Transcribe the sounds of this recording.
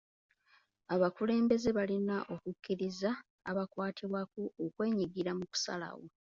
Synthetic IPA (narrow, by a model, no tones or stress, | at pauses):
aβakule̞ːmbe̞ze̞βalinaʔo̞kukːiɾiza̰ː | βakwaːtʰiβwakuokwe̞ːɲiɡiɾamuku̥sa̰la̰wo